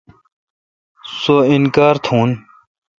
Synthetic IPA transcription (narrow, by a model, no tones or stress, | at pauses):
soːinkaːɾt̪ʰũːn